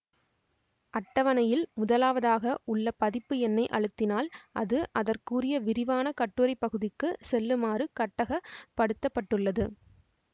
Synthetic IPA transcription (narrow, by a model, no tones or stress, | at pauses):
ʔɐʈːɐʋɐnɐjɪlmʊðɐlaːʋɐðaːɣɐʔʊɭːɐpɐðɪpːɯɛnːɐɪʔɐɻɯt̪ːɪnaːlʔɐðɯʔɐðɐrkuːrɪjɐʋɪɾɪʋaːnɐkɐʈːɯɾɐɪpːɐɣɯðɪkːɯsɛlːɯmaːrɯkɐʈːɐɣɐpːɐɽɯt̪ːɐpːɐʈːɯɭːɐðɯ